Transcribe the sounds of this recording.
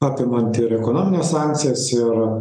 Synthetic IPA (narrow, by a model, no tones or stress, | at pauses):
ɑːpʲɪmɐnt̪ɪɾɛkonoːmʲɪnʲeːssɑŋʲk̚t̪sʲɪjɛsɪɾ